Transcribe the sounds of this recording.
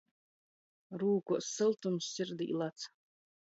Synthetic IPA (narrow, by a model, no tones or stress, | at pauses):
ɾuːkusɨlˠt̪umssʲiɾd̪ḭːlˠat̪s